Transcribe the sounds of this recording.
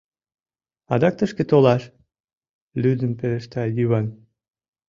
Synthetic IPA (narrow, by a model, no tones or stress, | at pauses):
ɑd̪ɑk̚t̪əʃket̪olɑʃ | lyd̪əmpeleʃt̪ɑjyβɑn